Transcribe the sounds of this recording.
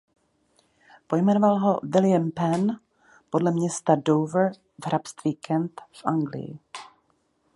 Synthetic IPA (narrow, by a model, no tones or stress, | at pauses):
po̞jmɛnovalɦo̞vɪljampɛn | po̞dlɛmɲɛst̪adowvr | vɦɾapst̪viːkʰɛnt̪fʔaŋɡlɪ̰jɪ̰